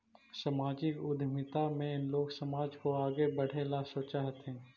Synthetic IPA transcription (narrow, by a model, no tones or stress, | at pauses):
sɐmaːd͡ʒɪkʊd̪ʱmɪt̪amẽɪnloːɡsɐmaːd͡ʒkoaːɡebɐɽ̤elasoːt͡ʃaːɦət̪ɦɛ̃ː